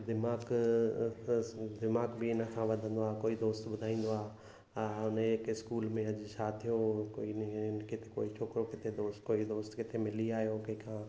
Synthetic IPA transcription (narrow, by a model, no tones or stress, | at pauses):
d̪ɪmaːɡ | d̪ɪmaːɡbiɪnəkʰãʋɐd̪ʱə̃nd̪oaːkoːid̪oːst̪ɓʊd̪ʱaːĩːn̆d̪oaː | ʊnɪkɪskuːlmẽɐʄt͡ɕʰaːt̪ʰijokoːinkɪt̪ʰe̥koːit͡ʃʰoːkɾokɪt̪ʰed̪oːst̪koːid̪oːst̪kɪt̪ʰemɪliaːɦijokɐikʰãː